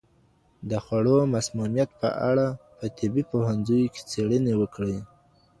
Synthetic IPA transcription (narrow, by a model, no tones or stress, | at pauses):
d̪əxwaɽomasmunijat̪̚pə̰ʔa̰ɽapət̪ʰɪbipohanzujke̥t͡seɽənewəkɽe